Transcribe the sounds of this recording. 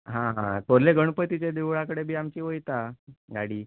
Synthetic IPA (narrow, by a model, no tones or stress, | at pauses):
ɦãɦãt̪oɾleɡəɳ̃pət̪it͡ɕed̪eʋɭakəɽebʱiːamt͡ɕiːʋəjt̪aɡaɽiː